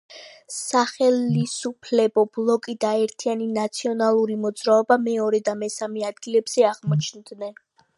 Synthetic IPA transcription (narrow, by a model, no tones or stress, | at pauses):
saχɛlisupʰlɛbɔblˠɔkʼid̪aɛɾt̪ʰianinat̪sʰiɔnalˠuɾimɔd̪zɾaɔbamɛɔɾɛd̪amɛsamɛad̪ɡilɛbz̥ɛaʁmɔt͡ʃʰnd̪nɛn